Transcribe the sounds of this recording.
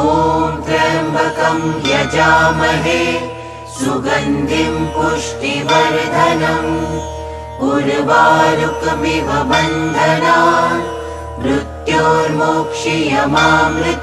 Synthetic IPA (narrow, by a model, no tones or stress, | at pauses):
oːmpɾɐɾɐmbʱɐkɐmjɐd͡ʒaːmɐɦe | suɡɐnd̪ʱimpuʂʈiʋɐɾd̪ʱɐnɐm | uɾbaːɾukmiʋɐbɐnd̪ʱɐnaː | mɾut̪joːɾmokʂijɐmaːmɾɪ